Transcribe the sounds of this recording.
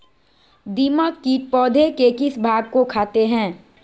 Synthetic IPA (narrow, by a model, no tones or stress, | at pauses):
d̪iːməkːipɔːd̪ʱekekɪsbʱaːɡ̚kokʰaːt̪eɦɛ̃ː